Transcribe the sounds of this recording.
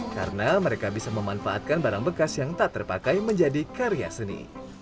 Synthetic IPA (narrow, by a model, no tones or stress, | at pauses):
ka̰ɾənaməɾekabisaməmanfaʔat̪̚kanbaɾaŋbəkasjaŋt̪at̪ːərpakajməɲd͡ʒadikaɾia̰sənḭ